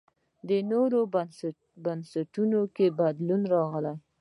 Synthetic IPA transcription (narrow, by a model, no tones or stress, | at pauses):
d̪ənoɾo | bansaʈunokebad̪lunɾɑɣəlaj